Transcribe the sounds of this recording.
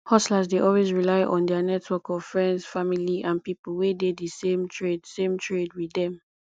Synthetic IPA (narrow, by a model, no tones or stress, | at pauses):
hɔslazdeʔɔlwezɹilaɪʔɔ̃ndɛanɛtʰwɔkɔvfɹɛ̃ndzfamiliʔãnpipulwededisẽmtʰɹedsẽmtʰɹedwiɛ̃m